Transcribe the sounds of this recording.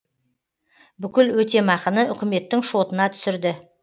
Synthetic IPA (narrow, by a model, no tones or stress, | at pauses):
bʏkʲɪlwɵt̪e̞mɑqənəʏkʲɪme̞t̪ːɪŋʃo̞t̪ənɑt̪ʰʏ̥sɪɾd̪ɪ